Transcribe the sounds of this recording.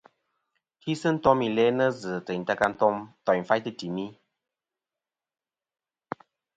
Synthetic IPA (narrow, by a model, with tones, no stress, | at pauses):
hi˦sɨ˦n̩˦tɔ˦mi˨lɛ˨˦nə˦zɨ˨tə˨n˨ta˧ka˧n̩˦tɔ˧˦mtɔ˨j̩˨fa˦jtɨ˦ti˨mi˦